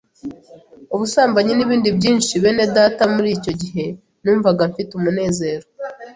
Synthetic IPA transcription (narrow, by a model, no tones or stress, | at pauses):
uβusaːmbaɲiniβiːndibɟiːnʃiβe̞ne̞daːtamuɾiːco̞ɟiɦe̞ | nuːɱvaɡaɱfitumune̞ːze̞ːɾo